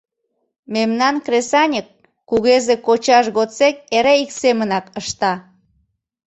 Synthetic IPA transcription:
memnɑnkresɑnʲəkː | uɣezekot͡ɕɑʃɣot͡sek̚eɾeiksemənɑkəʃt̪ɑ

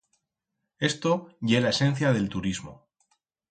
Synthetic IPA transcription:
e̞st̪o̞ʝe̞laese̞n̟θjaðe̞lt̪uɾizmo̰

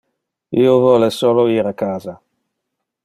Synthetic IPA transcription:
iːovɔːlesoːloiːɾakːaːza

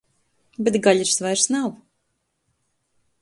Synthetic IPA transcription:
bɛt̪ɡaʎʲiɾsvajɾsnaw

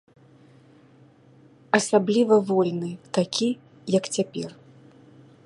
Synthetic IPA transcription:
ɐsablʲivɐvɔlʲnɨt̪akʲi | jɐkt͡sʲapʲɛr

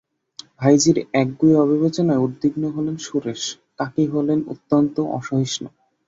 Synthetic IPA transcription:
bʱajd͡ʑiɾɛk̚ɡueɔbʱibet͡ɕonaeud̪ːiɡnoɦolenʃuɾeʃ | t̪akeɦolenṵt̪ːont̪oʔɔ̰ʃoɦiʃno

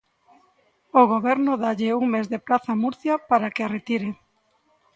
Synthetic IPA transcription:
oɣoβɛɾnʊðaʎeuŋmezðepɾaθamuɾθjapaɾakearet̪iɾe

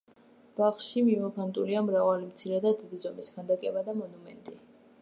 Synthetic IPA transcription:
b̥aχʃimimɔpʰant̪ʼuliamɾavalimt̪sʰiɾɛd̪ad̪id̪izɔmiskʰand̪akʼɛbad̪amɔnumɛ̰nt̪ʼi

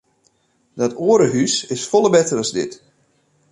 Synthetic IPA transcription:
dɔtoəɾəɦysɪsfɔlˠəbɛtərəzdɪ̰t

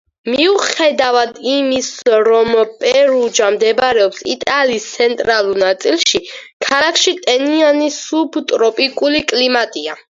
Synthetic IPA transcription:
miuχɛd̪avad̪imisɾɔmpʼɛɾud͡ʒamd̪ɛbaɾɛɔpsḭt̪ʼaliːst̪sʰɛnt̪ʼɾalˠuɾnat̪sʼilˠʃikʰalakʰʃit̪ʼɛnianisubt̪ʼɾɔpʼikʼulikʼlimat̪ʼia

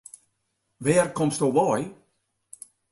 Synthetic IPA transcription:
ʋɛːrkɔmstoʋɔj

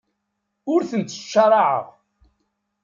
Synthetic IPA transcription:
ʊɾθənt̪ə̥ʃːɑɾˤɑʕə̰ʁ

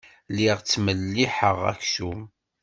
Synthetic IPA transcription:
liʁt͡sːməlːiħəʁæ̰çsum

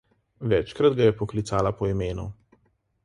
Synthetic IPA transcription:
ʋɛt͡ʃkɾad̪ɡajɛpɔklit̪saːlapɔimeːnṵ

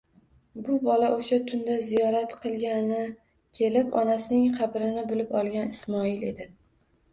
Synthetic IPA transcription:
bʊbɒlaʔoʃat̪ʰʊnd̪azijɒɾat̪qʰɨlˠɡʲanɪ | kʲʰe̞lɪpɒnasɪnɪŋqʰɑbɾɪnɪbʊlɪpɒlˠɡʲanɪsmɒɪle̞d̪ɪ

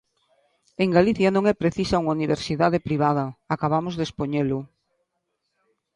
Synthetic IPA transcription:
eŋɡaliθjɐnõŋɛpɾeθisauŋauniβ̞eɾsiðaðepɾiβ̞að̞ɐakaβamʊzðespoɲelʊ

